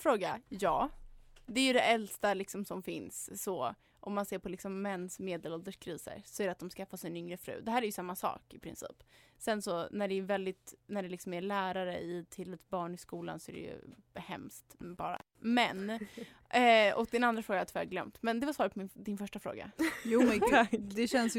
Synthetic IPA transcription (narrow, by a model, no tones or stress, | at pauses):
fɾoːɡajɑːd̪ɛæjɵd̪ɛʔɛlst̪alɪksɔmsɔmfɪnsːɔ | ʔɔmːanseːɾpʰɔlɪksɔmːɛnːsmeːd̪əlɔld̪əʂkʰɾiːsə̰ɾsɔæɾɛat̪̚d̪ɔmskafːasɪnʏŋɾəfɾʉ̟̰ːd̪ɛɦæːɾæɾjɵsamːasɑ̰ːkɪpʰɾɪ̰nsḭːpsɛnsɔnæɖɛːvɛld̪ɪt̪næɖɛlɪksɔmælæːɾaɾə̰ɪt̪ʰɪlɛt̪̚bɑːɳɪskuːla̰nsɔæ̰ɾɛ̰jɵ̰hɛ̰mst̪bɑ̰ːɾa̰ | mɛn | ɔk̚d̪ɛnand̪ɾafɾoːɡat̪ʰvɛɾɡlœ̰mt̪mɛnd̪ɛvasɑːɾt̪̚pʰɔmɪnd̪ɪnfœʂʈafɾo̰ːɡa̰juːmɛt̪ʰakːd̪ɛɕɛnsj